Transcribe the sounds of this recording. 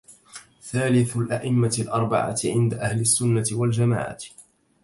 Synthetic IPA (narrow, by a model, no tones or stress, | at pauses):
θaːlɪθʊlʔaʔɪmːalʔɑɾˤbɑ̰ʕa̰ʕɪnd̪aʔahlasːʊnːaɪwald͡ʒama̰ːʕa̰